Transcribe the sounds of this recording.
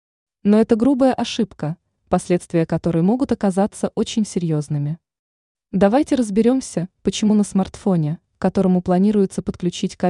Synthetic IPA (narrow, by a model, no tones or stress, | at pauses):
no̞ɛt̪əɡɾubəjəʔɐʂɨpkə | pɐsʲlʲet̪st̪vʲɪjəkɐt̪o̞ɾəjəmo̞ɡʊt̪ɐkɐzat̪sːəʔo̞t͡ɕɪnʲsʲɪɾʲjo̞znɨmʲɪ | d̪ɐvajtʲɪɾəzbʲɪɾʲo̞msʲəpət͡ɕɪmunəsmɐrt̪fo̞nʲɪ | kɐt̪o̞ɾəmʊplˠɐnʲiɾʊjɪt̪səpət̪̚klʲʉt͡ɕitʲkɐ